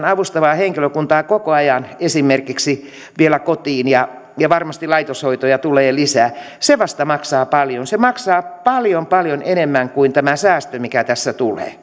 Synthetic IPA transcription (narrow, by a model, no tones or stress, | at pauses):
nɑʋust̪ɑʋɑːheŋkiløkunt̪ɑːkokoɑjɑnesimerkiksi | ʋielækot̪iːnjɑ | jɑʋɑrmɑst̪ilɑit̪oshoit̪ojɑt̪uleːlisæː | seʋɑst̪ɑmɑksɑːpɑljonsemɑksɑːpɑljompɑljonenemːæŋkuint̪æmæsæːst̪ømikæt̪æsːæt̪ulḛː